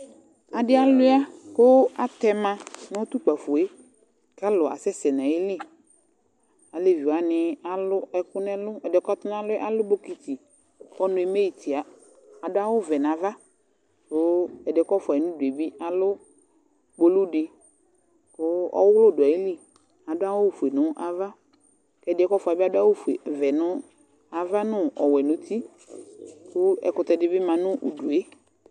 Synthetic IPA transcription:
a˨dɪ˦a˦lʊ˦a˦kʊ˦a˨t̪ɛ˦mã˦nʊ̃˦t̪u˦k͡pa˨fo˨e˦ | ka˦lʊ˨a̰˨sɛ˦sɛ˨nã˨jɪ˦li˦˨ | a˨le˦vi˨wa˨nɪ˦a˨lʊ˦ɛ˨kʊ˦nɛ˦lʊ˦ɛ˨dɛ˨kɔ˦t̪ʊ˦nã˦lʊ˦ɛ˦a˦lʊ˦bo˦ki˨t̪i˨ | ɔ˦nʊ̃˨˦ɛ˨me˦ji˨t̪ʰi˨a˨ | a˨dʊ˦a˦wʊ˦vɛ˨nã˨va˦ | kʊ˦ɛ˨dɛ˨˦kɔ˦fa˨ɛ˨nʊ̃˦du˨e˨bi˦a˨lʊ˦ | bo˦lu˦dɪ˨ | kʊ˦ɔ̰˦wʊ˦wlʊ˦˨dʊ˨a˨i˦li˦ | a˨dʊ˦a˦wʊ˦˨fu˨e˨nʊ̃˦ʔa˦va˦ | kɛ˨dɪ˨ɛ˨˦kɔ˦fʊ˨a˨bi˦a˨dʊ˦a˦wʊ˦fe˨vɛ˨nʊ̃˦ | a˨va˦nʊ̃˦ɔ˨wɛ˨nʊ̃˨t̪i˦ | kʊ˦ɛ̰˨kʊ˨t̪ɛ˨dɪ˨˦bɪ˦mã˨nʊ̃˦ʔṵ˨du˨e˦

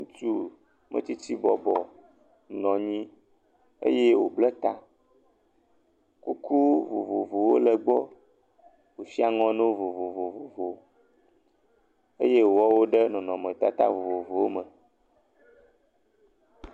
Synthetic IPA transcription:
ŋũ˦t͡ʃu˦ | mʔə̰˦˨t̪i˦t͡ɕi˦bɔ˨bɔ˨ | nɔ̃˨ɲĩ˦ | ḛ˦je˦wo˨blɛ˦t̪a˦ | ku˦ku˦vo̰˨vo̰˨vo˨wo̰˦lə˨ɡ͡bɔ˦ | wo˨si˦a˨ŋɔ̃˦nɛ̃˦wo˦vo˨vo˨vo˨vo˨vo˨ | e˦je˦wɔ˦wo˦ɖə˦nɔ̃˨nɔ̃˨mə̃˨t̪a̰˦t̪a̰˦vo˨vo˨vo˨wo˦mə̃˨

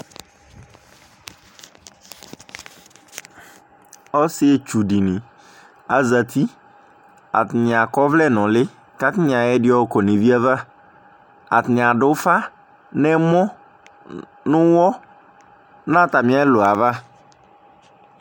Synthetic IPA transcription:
ɔ˦sɪ˦ɛ˨t͡ʃu˨di˨nɪ̃˨ | a˨za˨t̪ʰi˦ | a̰˨tɪ˨nɪ̃˨a˨kɔ˦vlɛ˦˨nʊ̃˨lɪ˦ | ka˦tɪ˦nɪ̃˨ã˨ɛ˦dɪ˦ɔ˦kɔ˨nẽ˨vi˦a˦va˦ | a˨tɪ˨nɪ̃˨a˨dʊ˦fa˦ | nɛ̃˦mɔ̃˦ | nʊ̃˦wɔ˦ | nã˦˨ta˨mɪ̃˨˦a˦lo˨a˨va˦

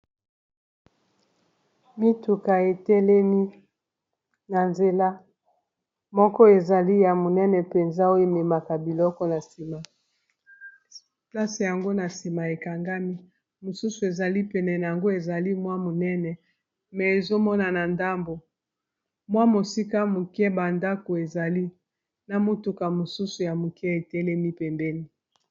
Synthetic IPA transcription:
mi˦tu˨ka˨e˨tɛ˦lɛ˦mi˦ | na˨nze˨la˦ | mɔ˦kɔ˦e˨za˨li˦ja˨mo˨nɛ˦nɛ˨pe˨nza˦o˦e˨me˨ma˨ka˨bi˨lɔ˦kɔ˦na˨si˨ma˨ | pla˦se˨ja˨ŋɡo˦na˨si˨ma˨e˨ka˨ŋɡa˦mi˦ | mo˨su˦su˨e˨za˨li˦pɛ˨nɛ˨na˨a˨ŋɡo˦e˨za˨li˦mwa˦mo˨nɛ˦nɛ˨ | mɛ˨e˨zo˦mɔ˦na˨na˨nda˦mbo˨ | mwa˦mo˨si˦ka˦mu˨kɛ˦ba˨nda˦ko˨e˨za˨li˦ | na˨mo˦tu˨ka˨mo˨su˦su˨ja˨mu˨kɛ˦e˨tɛ˦lɛ˦mi˦pɛ˨mbɛ˦ni˦

